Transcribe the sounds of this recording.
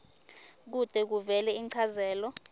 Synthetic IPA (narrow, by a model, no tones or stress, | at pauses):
k̬ud̥ʼʱɛk̬uvɛlɛiǀʰazɛːlɔ